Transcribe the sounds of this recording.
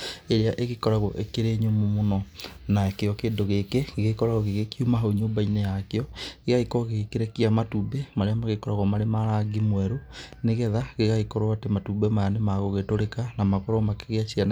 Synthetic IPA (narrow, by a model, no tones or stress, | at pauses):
eɾeaʔeɣekɔɾaɣɔ̰ʔekeɾeːɲomomonɔnaekeɔkeːndoɣekeɣeɣekɔɾaɣɔɣeɣekiumaɦoɲoːmbainejakeɔɣeɣaikɔɣeɣekeɾɛkiamatuːbemaɾeamaɣekɔɾaɣɔmaɾemaɾaɡimwɛɾoneɣɛðaɣeɣaikɔɾɔatematubɛmajanemaɣoɣetoɾekanamakɔɾɔɔmakeɣeaɕian